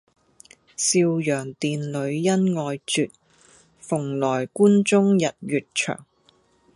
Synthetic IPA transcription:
siː˧wjœː˨˩ŋt̪iː˨nlɵ˨˧ɥjɐ˥nŋɔː˧jt͡ʃyː˨t̚ | fʊ˨˩ŋlɔː˨˩jkuː˥nt͡sʊ˥ŋjɐ˨t̚jyː˨t̚t͡ʃʰœ̰ː˨˩ŋ

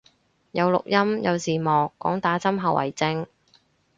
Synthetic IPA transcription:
jɐ˨˧wlʊ̰˨k̚jɐ˥mjɐ˨˧wsiː˨˩mɔː˨kːɔː˨˥ŋt̪aː˨˥t͡sɐ˥mɦɐ˨˧wʔɐ̰˨˩jt͡sɪ˧ŋ

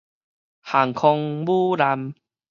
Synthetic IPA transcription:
ha˨˩ŋkʰɔ˧ŋbu˦la˧m

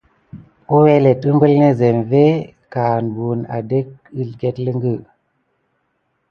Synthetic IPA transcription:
u˦we˦le˨tɨ˦mbə˦lne˦ze˨mve˦ | ka˨nbu˨na̰˨de˦k̚i˦lɡe˦tlə˦ŋɡɨ˦

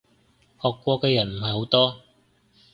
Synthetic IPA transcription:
hɔː˨˩kːʷɔː˧kɛː˧jɐ˨˩nm̩˨˩ɦɐ˨jho˨˥wt̪ɔː˥

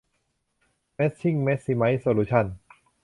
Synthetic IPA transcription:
me˦˥t̪̚t͡ɕʰi˥˩ŋme˦˥t̪̚si˧ma˦˥jsoː˨˧luː˦˥t͡ɕʰa˥˩n

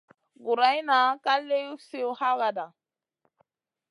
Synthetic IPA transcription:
ɡu˨ɾa˨˦jna˨˦ka˦le˦ju˦se˦u˦ha˦ɣa˨da˨

